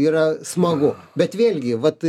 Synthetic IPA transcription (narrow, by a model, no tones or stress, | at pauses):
iːɾɐsmɐɡʊbʲɛt̪ʋʲeːlʲɡʲɪʋɐt̪